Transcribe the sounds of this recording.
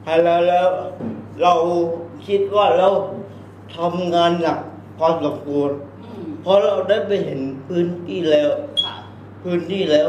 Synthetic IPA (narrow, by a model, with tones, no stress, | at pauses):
hʰa˧˩lɛː˦˥wlɛː˦˥wɾa˧wkʰi˦˥t̪̚waː˥˩ɾɛaː˦˥w | t̪ʰa˧mŋaː˧nla˨˩k̚ | kʰwaː˧mso˩˦mkʰu˧ən | pʰɔ˦˥ɾa˧wdaː˥˩jpa˧jɦe˩˦npʰɯː˦˥nt̪ʰiː˥˩lɛː˦˥w | pʰɯː˦˥nt̪ʰiː˥˩lɛː˦˥w